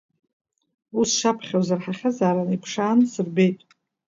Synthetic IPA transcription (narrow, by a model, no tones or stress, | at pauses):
usʂapʰχʲawzarħaχʲazaːɾanipʰʂaːnsɨrbe̞jtʼ